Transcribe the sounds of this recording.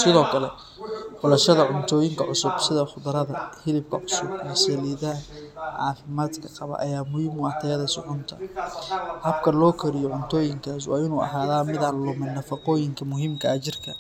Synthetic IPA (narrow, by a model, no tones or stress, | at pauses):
sɪðɔːkʰɐlɛ | fʊlɐʃɐðɐʕʊnt̪ʰɔːjɪŋkʰɐʕʊsʊbsɪðɐχʊd̪ɐɾɐðɐhɪlɪb̚kʰɐʕʊsʊbɛːsɐliːðanʕɑːfɪmaːd̪kʰɐqɑβɐ̰ʔɐ̰jaːmʊhimʊɑt̪ʰɛjɐðɐsɪʕʊnt̪ʰɐ | hɐbkʰɐlɔːkʰɐɾɪjɔʕʊnt̪ʰɔːjɪŋkʰaːs̬wɑ̰ːɪnuːʔɐ̰ɦaːðaːmɪðɐlɔmɪnːɐfɑqɔːjɪŋkʰɐmʊɦiːmkʰɐɐt͡ʃɪrkʰɐ